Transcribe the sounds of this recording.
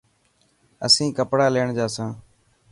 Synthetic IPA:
ə̰sĩːkəpɽaːleːɳd͡ʒaːsãː

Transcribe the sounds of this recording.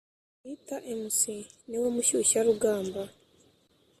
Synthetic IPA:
itaʔemusiniwemuʃuʃaɾuɡaːmba

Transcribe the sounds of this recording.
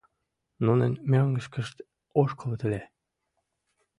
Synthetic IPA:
nunenmʲøŋɡə̆ʃkə̆ʃt̪ | oʃkʰolˠɤ̆t̪ɘ̆lʲe

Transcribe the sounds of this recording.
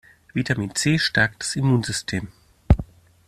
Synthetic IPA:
vitʰamiːnt͡seːʃtʰɛɐk̚td̥ḁsimuːnzʏstʰeːm

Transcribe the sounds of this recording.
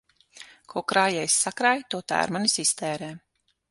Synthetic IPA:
kʰɔːkɾaːjɛjsːakɾajt̪uɔt̪a̰ːa̰ɾmanisist̪ɛːɾɛː

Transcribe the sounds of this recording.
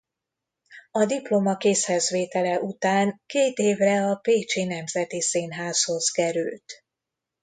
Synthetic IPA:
ɒd̪iplomɒkeːshɛzʋeːt̪ɛlɛʔut̪aːŋkeːt̪eːvrɛɒpeːt͡ʃinɛmzɛt̪isiːnɦaːsho̞z̥kɛɾylt̪

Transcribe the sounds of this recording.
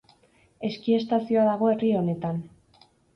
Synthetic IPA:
e̞skie̞st̪asio̞aðaɣ̞o̞e̞rio̞ne̞t̪an

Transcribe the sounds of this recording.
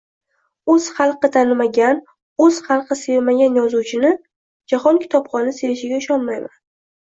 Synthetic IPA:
ɵz̥χɑlˠqɨt̪ʰanɪmaɡʲan | ɵz̥χɑlˠqʰɨseɾmaɡʲanjɒzuwt͡ʃʰɪnɪ | d͡ʒaχɒnkʲʰɪ̥t̪ʰɒpχɒnɪseɾɪʃɪɡʲaʊʃɒnmajman

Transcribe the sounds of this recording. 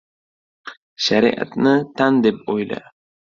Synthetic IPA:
ʃaɾḭʔa̰t̪nɪt̪ʰand̪epojla̰

